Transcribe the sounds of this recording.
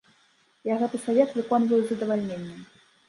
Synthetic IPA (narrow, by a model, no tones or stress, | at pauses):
jaɣɛt̪ɨsavʲɛt̪vɨkɔnvɐjzɐd̪ɐvalʲnʲenʲːɐm